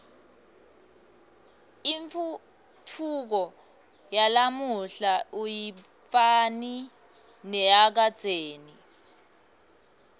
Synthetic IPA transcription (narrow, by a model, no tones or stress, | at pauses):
iɱf | pʰuk̬ɔ | jalamuɬauji | fani | nɛak̬ad̥d͡z̥ʱeːni